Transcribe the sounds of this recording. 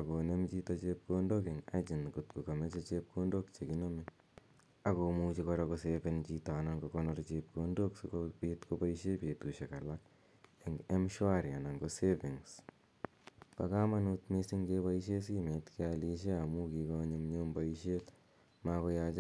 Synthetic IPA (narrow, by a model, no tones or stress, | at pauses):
akonemt͡ʃitɔt͡ʃep̚kondokeŋa̰t͡ʃinkutkukamɛt͡ʃɔt͡ʃep̚kʰondokt͡ʃekinomi | akomut͡ʃikɔɾakosefint͡ʃitanaŋɡokɔnɔɾt͡ʃep̚kondokskopetkopaiʃepetuːʃekalak̚ | eŋɛmʃuaɾjanaŋɡosefiŋs | pa̰kamanutmesiŋkepaiʃes̬iːmetkialiʃ̬eamukikɔɲemɲombaiʃel | makojat͡ʃ